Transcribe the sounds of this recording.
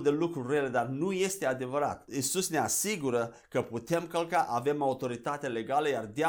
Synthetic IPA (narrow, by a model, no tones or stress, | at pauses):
d̪e̞lukɾurele̞d̪arnuje̞st̪ead̪e̞vəɾa̰t̪isusne̞asiɡuɾə | kəput̪e̞mkəlkaʔave̞maut̪o̞ɾit̪at̪ele̞ɡaləjard̪ea